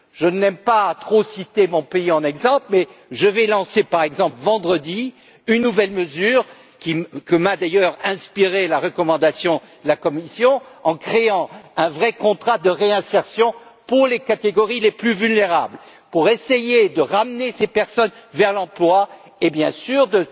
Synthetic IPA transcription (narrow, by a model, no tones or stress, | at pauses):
ʒənɛmpat̪χosit̪emɔ̃peiɑ̃nɛɡzɑ̃plmɛʒəvɛlɑ̃sepaʁɛɡzɑ̃plvɑ̃d̪ʁəd̪i | ynːuvɛlməzyːʁ | kʲikəmad̪ajœʁɛ̃spiʁelaʁəkɔmɑ̃d̪asjɔ̃d̪əlakɔmisjɔ̃ɑ̃kχeɑ̃ɛ̃vʁɛkɔ̃t̪χad̪əʁeɛ̃sɛʁsjɔ̃puʁlekat̪eɡɔʁileplyvylneʁabl | puʁesejed̪əʁamnesepɛʁsɔnvɛʁlɑ̃plwa | ebjɛ̃syʁd̪ə